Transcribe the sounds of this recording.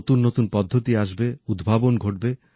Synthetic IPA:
t̪unːot̪unpɔd̪ʱːot̪iaʃbeud̪bʱabonɡʱoʈ̚be

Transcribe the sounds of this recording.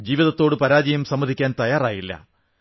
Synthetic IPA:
d͡ʑiːʋiðɐt̪ːo̞ːɽɨpɐɾaːd͡ʑɐjɐmsɐmːɐðikʲːaːnt̪ɐjaːraːjilːɐ̰

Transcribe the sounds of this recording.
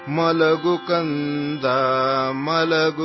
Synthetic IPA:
mɐlɐɡukɐnd̪amɐlɐɡ

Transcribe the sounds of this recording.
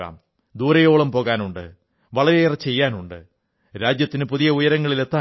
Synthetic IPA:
a̰ːm | d̪uːɾɐjo̞ːɭɐmpo̞ːɣaːnuɳɖɨ̰ | ʋɐɭɐɾerɐt͡ɕe̞jːaːnuɳɖɨ | ɾaːd͡ʑjɐt̪ːinɨpuðijɐujɐɾɐŋːɐɭile̞t̪ːaː

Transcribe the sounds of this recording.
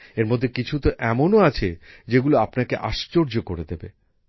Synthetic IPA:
eɾmod̪ʱːekit͡ɕʰut̪oʔɛmonoat͡ɕʰe | d͡ʑeɡuloapnakeʔa̰ʃt͡ɕoɾd͡ʑokoɾed̪ebe

